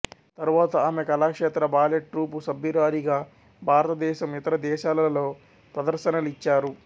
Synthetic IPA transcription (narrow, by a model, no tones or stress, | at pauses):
t̪ɐɾuʋaːt̪ɐaːmekɐlaːkʂɛːt̪ɾɐbaːleʈʈːɾuːpusɐbʱiɾaːɾiɡaː | bʱaːɾɐt̪ɐd̪ɛːʃɐmit̪ɐɾɐd̪ɛːʃaːlɐɐlo̞ː | pɾɐd̪ɐɾʃɐnɐluit͡ʃːaːɾu